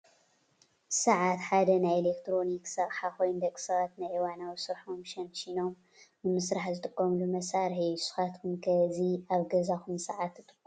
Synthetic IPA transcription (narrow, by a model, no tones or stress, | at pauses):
sɐʕat̪ħad̪ɐnajelekt̪ʰɾo̞niksɐʔʼħakʰo̞jnd̪ɐkʼːɨ̥sɐβat̪najʔiwanawisɨɾħomʃɐnʃino̞m | nɨmɨsɾaħzɨt̪ʼɨkʼːɐmlumɐsaɾħisɨ̥xat̪kʰumkʰɐziaβɡɐzakumsɐʕat̪ːɨt̪ʼɨ̥kʼːu